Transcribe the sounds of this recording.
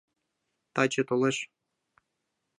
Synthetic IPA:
t̪ɑt͡ɕĕt̪oleʃ

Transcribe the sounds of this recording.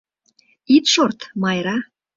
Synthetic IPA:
it̪ʃort̪mɑjɾɑ

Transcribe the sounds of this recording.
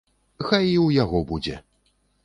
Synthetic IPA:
xajiwjaɣɔbud͡zʲɛ̰

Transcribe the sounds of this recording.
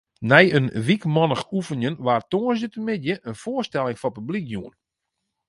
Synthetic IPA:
nɛjənʋikmɔnəxufənjənʋaːrtoənsətəmɪdjəʔənfoərstɛlˠɪŋfɔpyblikjuən

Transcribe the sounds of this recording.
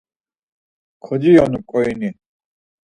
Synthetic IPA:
kʰɔd͡ʒijɔnukʼɔini

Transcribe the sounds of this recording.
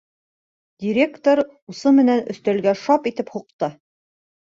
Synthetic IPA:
d̪ʲiɾʲekt̪oɾ | usɤmɘ̆nænɵ̰̆θt̪æ̆lɡæʃɑpit̪ɘphuqt̪ɤ

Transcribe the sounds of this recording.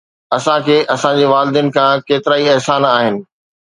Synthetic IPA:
ɐsãkʰeːʔɐsãd͡ʑeːʋaːlɪd̪ijənɪ̆kʰãkeːt̪ɪɾaːiɛɦsaːnaːɦɪnɪ̆

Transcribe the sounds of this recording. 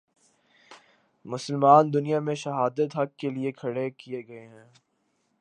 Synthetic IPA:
mʊsəlmaːnd̪ʊnijamẽʃɐɦaːd̪ət̪ɦɐk̚ːeliekʰɐɽekieɡɐeɦɛ̃ː

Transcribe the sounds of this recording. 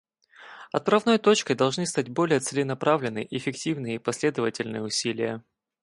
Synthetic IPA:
ɐ̰t̪ɾɐvno̞jt̪o̞t͡ɕkəjd̪ɐlˠʐnɨst̪atʲbo̞lʲɪjət̪sɨlʲɪnɐpɾavlʲɪnɨ̰jʔɪfʲɪktʲivnɨjəipɐsʲlʲe̞d̪əvətʲɪlʲnɨjəʊsʲilʲɪjə

